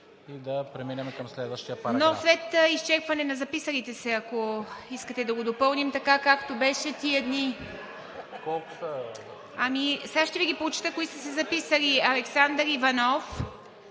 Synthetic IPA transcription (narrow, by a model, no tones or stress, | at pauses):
id̪ɐpɾɛminʲɐmɛkɐmslɛd̪vəʃt̪ijəpanoslɛt̪ist͡ʃɛɾpvɐnɛnɐzɐpisɐɾit̪ɛsɛɐkoiskət̪ɛd̪ɐɡod̪opɤlˠnimt̪ɐkakakt̪obɛʃɛt̪iɛd̪ni | kɔlˠkʊsə | ɐmisaʃt̪ɛviɡʲipɾot͡ʃi̥t̪əkoisəsɛzɐpisəliɐlɛksand̪ɾivɐnɔf